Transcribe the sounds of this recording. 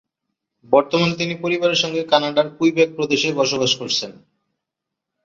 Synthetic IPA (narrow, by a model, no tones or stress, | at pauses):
bɔɾt̪omant̪̬inipoɾibaɾeɾʃɔŋɡekanaɖaɾkujbeɡ̚pɾod̪eʃebɔʃobaʃkoɾt͡ɕʰen